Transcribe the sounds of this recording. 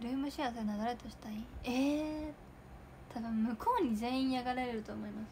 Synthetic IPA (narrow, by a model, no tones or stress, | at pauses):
ɾɯ̟ːmɯ̟ɕiasoenaɡaɾet̪oɕi̥t̪aieː | t̪ʰad̪amɯ̟kʰo̞ːɲ̟izẽ̞ɰ̃ĩɰ̃jaɡaɾeɾeɾɯ̟t̪oːmo̞imasɨ̥